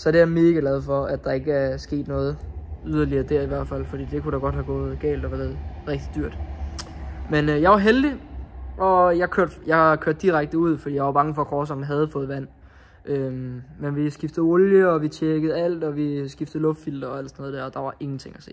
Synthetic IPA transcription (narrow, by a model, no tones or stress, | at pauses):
sɒ̽deæme̝ːɡ̥æɡ̥lɛð̞̩ˠfɒ̽æd̥d̥ɑ̈e̝ɡ̥əæɐsɡ̥e̝̰ːd̥nɔ̽ːð̩ˠyð̞ˠɐliɐːd̥æɐ̰iʋæɐd̥fæl̰fɒd̥ḭːd̥e̝kuɾ̥ɑ̈ɡ̥ɒ̽d̥hæɡ̥ɔ̽ːð̩ˠɡ̥ɛ̰ːld̥ɒʋæeð̩ˠʁɛɡ̥̚d̥id̥yɐ̰d̥ | menøjɑ̈ɪʋɑ̈ɦeld̥iʔɒ̽jɑ̈ɪkʰøɐd̥jɑ̈kʰøɐ̰d̥iʁaɡ̥̚d̥əuð̰ˠfɒd̥ḭːjɑaʋɑ̈b̥ɑ̈ŋəfɒ̽kʰɒːsɒmɦæð̞ˠfɔ̽ːð̩ˠʋæn̰ | ʔømmenʋisɡ̥ifd̥ð̩ˠɔljəɒ̽ʋit͡ɕʰjeɡ̥əð̩ˠæl̰d̥ɒ̽ʋisɡ̥ifd̥ð̩ˠlɔ̽fd̥fil̰d̥ɐelsɒnɔð̩ˠdeɐ̰ɒ̽d̥ɑ̈ʋɑ̈ʔe̝ŋn̩t͡sʰe̝ŋæse̝̰ː